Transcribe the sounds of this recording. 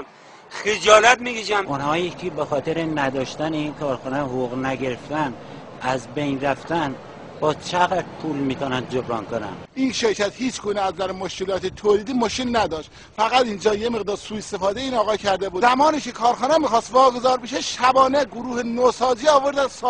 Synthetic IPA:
xed͡ʒɒːlæt̪̚miɡiːd͡ʒæmunhɒːjekʰibexɒːt̪ʰeɾenæd̪ɒːʃt̪æneinkʰɒːɾxɑːnɛɦouɣnæɡe̞ɾeft̪æn | æzbejnɾæft̪æn | bɒːt͡ʃʰeɣæd̪pʰulmiːt̪ʰɒːnænd̪d͡ʒobɾɒːnkonæ̰nʔiːnʃeɾcʰæt̪hiːt͡ʃʰɡuːneæzd̪æɾmoʃkelɒːt̪ʰet̪ʰoːliːd̪iːmoʃelnæd̪ɒːʃt̪ | fæɣæt̪ind͡ʒɒːjemeɣd̪ɒːɾsuːest̪efɒːd̪eiːnɒːɣɒːcʰæɾd̪ebuːzæmɒːniːkʰekʰɒːɾxɑːnɛmiːxɒːst̪vɒːɡozɒːɾbeʃeʃæbɒːneɡoɾuːhenosɒːziːɒːvoɾd̪æs

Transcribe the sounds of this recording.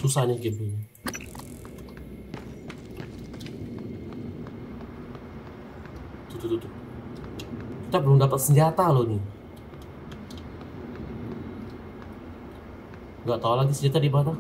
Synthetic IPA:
susahnɪhɡit̪u | t̪ut̪ut̪ut̪u | kit̪apəlʊŋdapət̪̚səɲd͡ʒat̪alonɪ | ŋɡaʔt̪aulaɡisəɲd͡ʒat̪adibat̪a

